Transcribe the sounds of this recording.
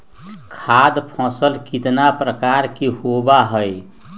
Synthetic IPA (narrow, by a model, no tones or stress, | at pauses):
kʰaːd̪pʰɔ̃ːsəlkɪt̪napɾəkaɾkehobaɦəj